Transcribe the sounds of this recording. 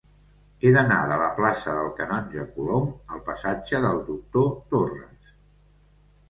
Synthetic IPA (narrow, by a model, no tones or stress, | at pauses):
eðəna̰ðələplasəðəlˠkənɔnʲʒəkuloməlˠpəsad͡ʒəðəlˠd̪uk̚t̪ot̪orəs